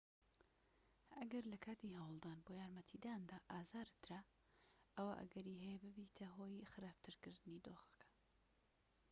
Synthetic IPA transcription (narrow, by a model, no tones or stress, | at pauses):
ɐɡɐɾlɐkʰaːt̪iɦɐwlˠd̪aːnboːjaːɾmɐt̪ʰid̪aːnd̪aːʔaːzaːɾɨt̪ːɨɾa | ɐwaʔɐ̰ɡɐɾiːɦɛjɛbɨbiːt̪ʰɐɦoːjxɨɾaːb̚t̪ʰɨɾkɨɾd̪ɨniːd̪oːxɐ̥kʰɐ̥